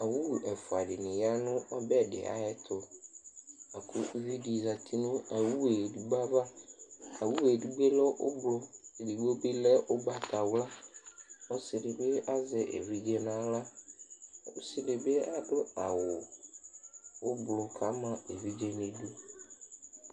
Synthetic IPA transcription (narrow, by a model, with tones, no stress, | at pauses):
a˨wu˦˨ɛ˨fʊ˨a˨dɪ˨nɪ̃˨ja˦nʊ̃˦ɔ˦bɛ˦dɪ̰˨ʔa̰˨jɛ˦tʰʊ˨ | a˨kʰʊ˦vi˦di˨za˨tʰi˦nʊ̃˦a˨wu˦e˨du˨ɡ͡ba˦va˦a˨wu˦we˨du˦ɡ͡be˦lɔ˦ʔʊ˦blʊ˦˨di˨ɡ͡bo˦be˦lɛ˦ʔʊ˦ba˦tʰa˨wla˦ | ɔ˦sɪ˨dɪ˨be˦a˦zɪ˨ʔḛ˨vi˦d͡ʒe˦n˦ã˦la˦ | ʊ˦sɪ˦lɪ˨be˦a˦dʊ˦a˨wʊ˨ | ʊ˦blʊ˨kʰa˨˦mã˦e˨vi˦d͡ʒe˦n˦ẽ˨du˦